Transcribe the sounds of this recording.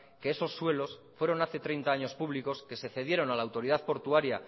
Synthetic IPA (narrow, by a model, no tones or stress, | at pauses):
ke̞eso̞sːwe̞lo̞sfwe̞ɾo̞naθe̞t̪ɾe̞jnt̪aaɲo̞spuβliko̞ske̞se̞θe̞ð̞je̞ɾo̞nalaːwt̪o̞ɾiðaðpo̞ɾt̪uaɾja